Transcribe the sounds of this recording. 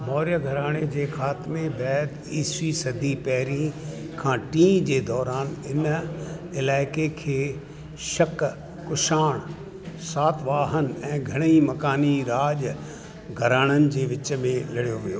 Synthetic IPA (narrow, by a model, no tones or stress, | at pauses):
mɔːɾjəɡʱɐɾaːɽ̃ed͡ʑeːxaːt̪mebɛːd̪ | iːsisɐd̪ʱipɛɦɪɾĩ | kʰãːʈĩːd͡ʑeːd̪ɔːɾaːnɪn | ɪlaːɪkekʰeː | ʃɐk | kʊʃaːɽ̃ | saːt̪ʰʋaːɦənɛ̃ːɡʱɐɽ̃imɐkaːniɾaːʄ | ɡʱɐɾaːɽ̃ənɪ̆d͡ʑeːʋɪt͡ɕmẽlɐɽijoʋijoː